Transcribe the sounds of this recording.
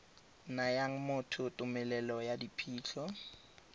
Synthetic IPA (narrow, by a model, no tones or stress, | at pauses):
najaŋ̩mʊtʰʊtʼʊmɛlɛlɔjadipʰiːt͡ɬʰɔ